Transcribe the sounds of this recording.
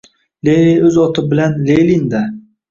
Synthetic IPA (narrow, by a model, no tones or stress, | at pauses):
leɾiɵzɒt̪ʰɪbɪlanlejlind̪a